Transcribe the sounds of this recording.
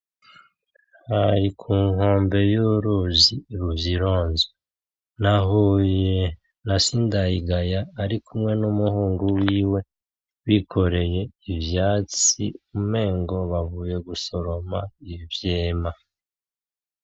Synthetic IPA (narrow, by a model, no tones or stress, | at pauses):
haɾikʰuːŋhoːmbe̞juɾoziːɾuvziɾo̞ːnze | naɦuːje | nasindajiɡajaːɾikumŋe̞numuhuːŋɡuwiːwe̞ | wikʰo̞ɾe̞je̞ivjaːt͡sḭume̞ːŋɡo̞βavuːje̞ɡuso̞ɾo̞maivjeːma